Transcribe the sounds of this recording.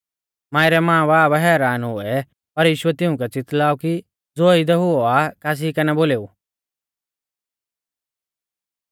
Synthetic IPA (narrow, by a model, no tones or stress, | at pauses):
mãːɪɾɛmãːbaːbɦɛːɾaːnɦʊɛ | pɐɾjiːʃʊɛt̪ɪʊ̃kɛt͡sɪt̪laːuki | d͡zoːid̪ɛɦʊɔakaːs̬ikɐnɛboːleːu